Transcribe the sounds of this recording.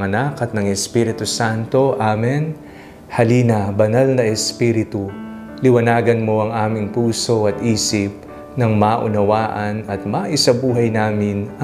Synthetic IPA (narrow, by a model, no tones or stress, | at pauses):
ŋɐnakɐt̪̚nɐŋɛspiɾɪt̪ʊsant̪o̞ʔaːmɛn | hɐliːnɐbɐnalnɐʔɛspiːɾɪt̪u | lɪwɐnaːɡɐnmo̞ɐŋaːmɪŋpuːso̞ʔɐt̪ʔiːsɪp̚ | nɐŋmaːʔʊ̰nɐwaːʔɐnɐt̪̚maʔɪsɐbuːɦɐjnaːmɪnɐ